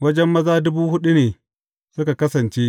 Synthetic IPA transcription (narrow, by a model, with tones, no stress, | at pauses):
wɐ˦d͡ʒɛ˦mːɐ˦zaː˦dʊ˦buː˦hʊ˦ɗu˦neː˨ | sʊ˦ka˨kɐ˦sɐ˨nt͡ʃeː˦